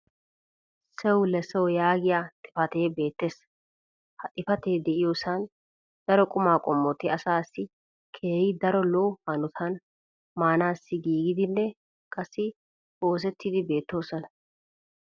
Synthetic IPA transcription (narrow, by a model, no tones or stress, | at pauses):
sɛwʊlɛsɛwjaːɡɪjat̪ʼɪ̥fɐt̪eːbe̞ːt̪ːeːs | hɐt̪ʼɪfɐt̪e̞ːd̪ɛʔɪjoːsan | d̪̥ɐɾɔkʼʊmaːkʼɔmːɔt̪ɪɐsaːsːɪ | kʰeːjɪd̪ɐɾɔlowhɐnʊt̪ʰɐn | maːnaːsːɪɡiːɡɪd̪ɪnːɛ | kʼɐsːɪ | o̞ːs̬ɛt̪ːid̪ɪbe̞ːt̪ːo̞ːsɐnɐ